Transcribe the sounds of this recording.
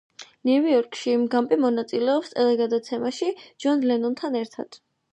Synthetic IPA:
nuviɔɾkʼʃiːmɡampʼimɔnat̪sʼilɛɔpst̪ʼɛlɛɡad̪at̪sʰɛmaʃid͡ʒɔnlɛnɔnt̪ʰanɛɾt̪ʰa̰d̪̥

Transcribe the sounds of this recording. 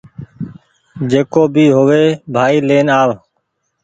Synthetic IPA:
d͡ʒeːkoːbʱiːɦoʋeːbʱaːiːleːnaːʋ

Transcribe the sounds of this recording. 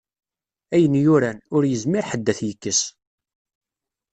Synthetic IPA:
æjənjʊɾænʊɾjəzmɪɾħəd̪ːæθjəkːəs

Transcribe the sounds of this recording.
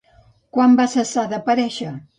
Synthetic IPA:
kwambasəsaðəpəɾɛʃə

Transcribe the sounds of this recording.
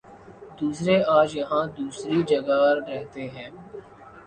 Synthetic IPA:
d̪uːsɾeaːd͡ʒjɐɦãːd̪uːsɾid͡ʒəɡaɾɛɦt̪eɦɛ̃ː

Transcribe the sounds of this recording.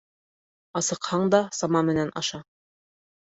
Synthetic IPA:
ɑsɤ̆qhɑɴd̪ɑsɑmɑmɘ̆nænʔɑʃɑ

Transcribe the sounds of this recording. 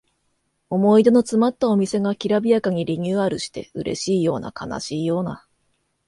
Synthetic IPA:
o̞mo̞id̪e̞no̞t͡sɨmat̪ːao̞mʲise̞ɡakʲiɾabʲijakaɲ̟iɾʲiɲʲɨːaɾɯ̟ɕi̥t̪e̞̰ɯɾe̞̰ɕiːjo̞ːna̰kʰana̰ɕiːjo̞ːna

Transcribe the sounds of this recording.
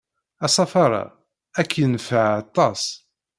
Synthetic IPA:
ɑsˤɑfɑɾˤɑ̰ | ækʰːnfaʕɑt̪ˤːɑsˤ

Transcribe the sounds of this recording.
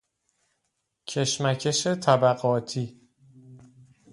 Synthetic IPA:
cʰe̞ʃmæcʰe̞ʃe̞t̪ʰæbæɣɒːt̪ʰiː

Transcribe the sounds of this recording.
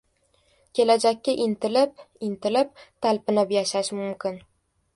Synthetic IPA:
kʲʰe̞lad͡ʒakʲːɪʔɪnt̪ɪlɪp̚ | ɪnt̪ɪlɪp̚t̪ʰalpɪnɪpjaʃaʃmʊmkʲɪn

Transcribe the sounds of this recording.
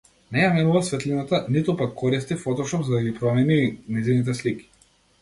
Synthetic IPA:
nɛjamɛnuvasvɛt̪linat̪anit̪upakʰːɔɾist̪ifɔt̪ɔʃɔpzad̪aɡipɾɔmɛninɛzinit̪̬ɛsliki̥

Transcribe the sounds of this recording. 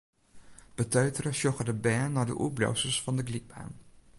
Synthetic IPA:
b̥ətœɥtərəʃɔχədəbɛɹnːaːɹdə̰ʔublo̰wsəsfɑndəɡliɡ̚ba̰ːn

